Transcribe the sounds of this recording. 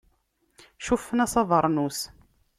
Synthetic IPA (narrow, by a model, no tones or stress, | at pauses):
ʃufːənæsɑðˤəɾˤnus